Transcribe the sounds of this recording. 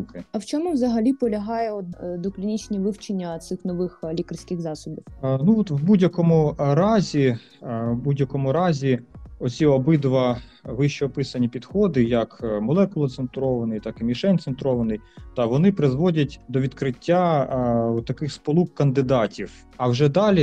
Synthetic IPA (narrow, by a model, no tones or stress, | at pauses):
kɪɐwt͡ʃɔmʊʋzɐɦɐlʲipɔlʲɐɦɑjɛɔt̪d̪ɔklʲinʲit͡ʃʲnʲiʋɪwt͡ʃenʲːɐt̪sɪxnɔʋɪxlʲikɐrsʲkɪxzɑsʊbʲiwnuɔt̪ʋbudʲjɐkɔmʊɾɑzʲi | budʲjɐkɔmʊɾɑzʲiɔt͡sʲiɔbɪd̪ʋɐ | ʋɪʃt͡ʃːiɔpɪsɐnʲipʲid̪xɔd̪ɪjɐkmɔlˠɛkʊlˠɐt̪sensʊɾɔʋɐnɪjt̪ɑkɪmʲiʃɛnʲt̪sent̪ɾɔʋɐnɪjt̪ɐʋɔnɪpɾɪzʋɔdʲɐtʲd̪ɔʋʲid̪kɾɪtʲːa | t̪ːɐkɪxspɔlˠukːɐnd̪ɪd̪ɑtʲiw | ɐwʒɛd̪ɑlʲi